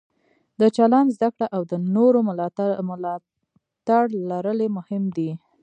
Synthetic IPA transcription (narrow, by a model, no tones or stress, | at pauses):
d̪ət͡ʃaland̪zd̪akɽaʔawd̪ənoɾomlɑ | t̪aɽlaɾəlemʊhɪmd̪i